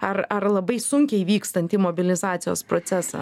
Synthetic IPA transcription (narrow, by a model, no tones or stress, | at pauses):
ɐrɐrlˠɐbɐɪsʊŋʲkʲɛɪʋʲiːkst̪ɐnʲt̪ʲimoːbʲɪlʲɪzɑːt̪sʲɪjoːspɾoːtsʲæsɑ̰ː